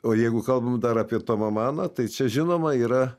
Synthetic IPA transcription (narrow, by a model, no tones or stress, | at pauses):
oːjɛɪɡʊkɐlˠbɐmd̪ɐɾɑːpʲiɛt̪oːmɐmɑːnɐt̪ɐɪt͡ʃʲɛʒʲɪnoːmɐiːɾɐ